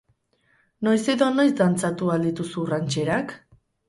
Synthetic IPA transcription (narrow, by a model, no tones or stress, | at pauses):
no̞jse̞ðo̞no̞jzd̪ant͡sat̪uald̪it̪usuːrant͡ʃe̞ɾak